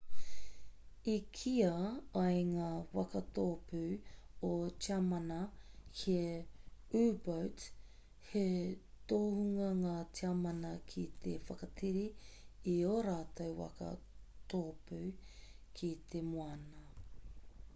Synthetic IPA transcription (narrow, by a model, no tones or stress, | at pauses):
ikʰiɐɐjŋaːwɐ̰kɐt̪oːpʰʉ | ot͡ʃiɐmɐnɐkʰie | ʉːbowt | he | t̪oːhuŋɐŋaːtiɐmɐnɐkʰit̪ʰḛfɐkɐtʰiɾiioɾaːt̪owwɐ̰kɐ̰ | t̪oːpʉːkʰit̪ʰemuɐnɐ